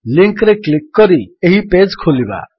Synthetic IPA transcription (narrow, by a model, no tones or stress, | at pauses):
liŋkɾeklikːɔɾieɦiped͡zkʰoliba̰